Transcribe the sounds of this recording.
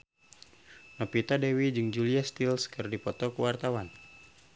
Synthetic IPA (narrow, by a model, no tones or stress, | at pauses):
nɔpit̪adɛwid͡ʒɨŋd͡ʒuliast̪ilskərdipɔt̪ɔkuwart̪awan